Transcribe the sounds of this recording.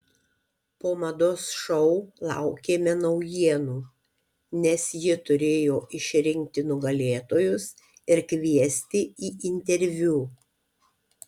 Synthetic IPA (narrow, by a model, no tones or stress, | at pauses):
poːmɐd̪oːsʃɔʊlˠɑ̰ˑʊkʲeːmʲɛnɐʊjiɛnuː | nʲɛsjɪt̪ʊɾʲeːjoːʔɪʃʲɾʲɪŋʲk̚t̪ʲɪnʊɡɐlʲeːt̪oːjʊs | ɪɾkʋʲiɛsʲt̪ʲɪiːʔɪnʲt̪ʲɛɾʲʋʲuː